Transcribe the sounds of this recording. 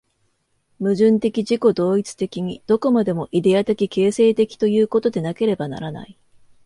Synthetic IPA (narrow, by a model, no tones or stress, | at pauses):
mɯ̟ʑɨ̃nt̪e̞kʲiʑiko̞d̪o̞ːit͡sɨ̥t̪e̞kʲiɲ̟id̪̥o̞ko̞mad̪e̞mo̞ʔid̪e̞at̪e̞kʲike̞ːse̞ːt̪e̞kʲi̥t̪o̞jɯ̟ːko̞t̪o̞d̪e̞nake̞ɾe̞bana̰ɾana̰i